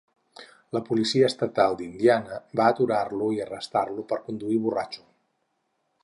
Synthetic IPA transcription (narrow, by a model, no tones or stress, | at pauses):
ləpulisiəːst̪ət̪alˠd̪ind̪ianəbaət̪uɾarluiərəst̪arlupəɾkund̪uiβ̞urat͡ʃu̥